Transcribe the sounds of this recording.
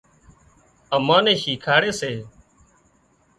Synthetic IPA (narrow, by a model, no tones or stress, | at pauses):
əmãːnẽːʃiːkʰaːɽeːseː